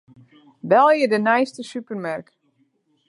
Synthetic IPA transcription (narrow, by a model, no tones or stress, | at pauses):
ʋɛlˠjədənɛjstəsypərmark